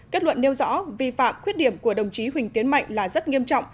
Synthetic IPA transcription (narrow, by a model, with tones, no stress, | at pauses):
ke˦˥t̚lwə̰˧˨nːe˧wzɔ̰˧˥vi˧fa̰ː˧˨mkxwi˦˥ət̚ɗi˧˩əmku˧˩əɗə˨˩wŋ͡mt͡ɕi˨˦ɦwï̟˨˩t̪i˨˦ənma̰˧˨jŋ̟laː˨˩zə˦˥t̚ŋi˧əmt͡ɕɔ̰˧˨wŋ͡m